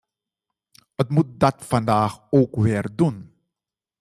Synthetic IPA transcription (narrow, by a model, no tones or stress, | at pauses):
ətmut̚dɑtfɑndaːχoːkʋɪːrdun